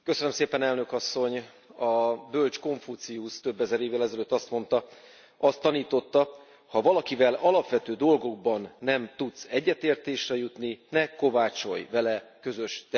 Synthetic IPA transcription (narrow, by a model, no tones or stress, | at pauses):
køsønømseːpɛnɛlnø̞kɒsːo̞ɲ | ɒbølt͡ʃko̞ɱfut̪siust̪ø̞bːɛzɛɾeːvːɛlɛzɛløt̪ːɒst̪mo̞nt̪ɒ | ɒst̪ːɒniːt̪o̞t̪ːɒ | hɒvɒlɒkivɛlɒlɒpʋɛt̪øːd̪o̞lɡo̞ɡ̚bɒnːɛmt̪ut̪sɛɟːɛt̪eːrt̪eːʃrɛjut̪ninɛko̞vaːt͡ʃo̞̰jvɛlɛkø̞zø̞ʃt̪ɛ